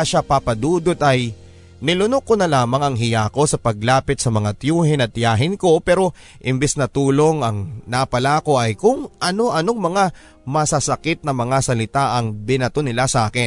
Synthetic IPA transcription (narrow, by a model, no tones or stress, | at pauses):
aʃapapɐd̪uːd̪ot̪ʔɐj | nɪlʊnokːonɐlaːmɐŋɐŋɦɪjaːko̞sɐpɐɡlaːpɪt̪̚sɐmɐŋat̪juːhɪnɐt̪̚ːjaːɦɪnko̞pɛːɾo̞ | ʔɪmbɛsnɐt̪uːlo̞ŋɐŋnapɐlaːko̞ʔɐjkʊŋʔɐno̞ʔɐno̞ŋmɐŋa | mɐsɐsɐkɪt̪̚nɐmɐŋasɐlɪt̪aʔɐŋbɪnɐt̪onɪlasɐʔaːkɪn